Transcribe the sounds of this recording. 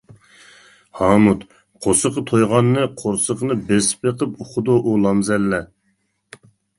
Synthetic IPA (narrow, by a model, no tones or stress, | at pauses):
hɑmut̪ | qʰosəqət̪ʰojʁɑnːɨqʰoɾsəqənɨbespeqəpuχʊd̪ʊʔulˠɑmzɛlːɛ